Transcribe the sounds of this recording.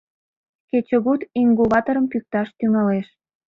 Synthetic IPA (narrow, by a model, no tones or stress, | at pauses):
ket͡ɕəɣut̪iŋɡuβɑt̪oɾəmpyk̚t̪ɑʃt̪yŋɑleʃ